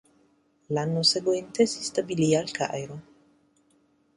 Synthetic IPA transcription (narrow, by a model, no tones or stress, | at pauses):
lanoseɡwent̪esist̪abiliaːlka̰jɾo